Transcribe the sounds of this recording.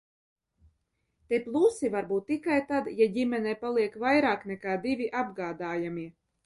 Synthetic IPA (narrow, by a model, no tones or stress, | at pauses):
t̪iplˠusivaɾbuːt̪̚ːikajt̪ad̪jaɟʲimʲɛnʲɛjpalˠiɛkvajɾaːknɛkaːd̪ivʲiʔabɡaːd̪aːjamiɛ